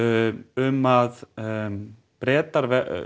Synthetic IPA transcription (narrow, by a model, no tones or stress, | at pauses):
ʏmað | pɾɛːt̪aɾvɛ